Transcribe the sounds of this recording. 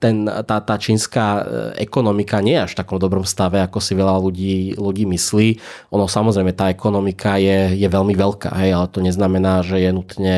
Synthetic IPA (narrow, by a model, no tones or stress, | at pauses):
t̪ɛnt̪aːt̪aːt͡ʃiːnskaɛ̰kɔnɔmikaɲɪɛjɛaʃft̪akɔmd̪ɔbɾɔmfst̪aʋɛakɔsiʋɛʎaluɟiːluɟiːmisliːʔɔnɔsamɔzɾɛɪjmɛt̪aːɛkɔnɔmikajɛjɛʋɛlmiʋɛlka̰ːɦɛjalɛt̪ɔɲɛznamɛnaːʒɛjɛnut̪ɲɛ